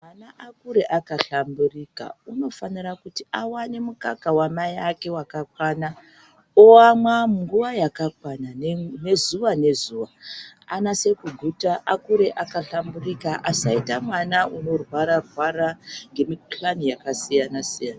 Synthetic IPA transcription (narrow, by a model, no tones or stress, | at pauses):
mmanaʔakkuɾe̞ʔakaɬamburika̰uno̞fanirakutiawane̞mukakawamajake̞wakakwaːna | oamwamuŋɡuʋajakakwanane̞zuʋane̞zuːʋaanase̞kuɡʱutaʔakuɾe̞ʔakaɬamburikaʔasaitamwanaʔuno̞rwaɾarwaɾaŋɡe̞miplanijakasijanasijanaa